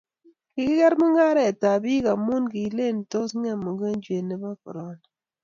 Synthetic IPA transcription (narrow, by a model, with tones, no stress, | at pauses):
kɪ˨kɪ˦kɛ˦ɾmu˦ŋa˦ɾɛ˨ta˨bi˦ka˨mu˦nki˨le˦˨n˨to˦sɲa˦˨mo˨ɡe˦nd͡ʒe˨ne˦ba˦kɔ̰˨ɾɔ˦n˨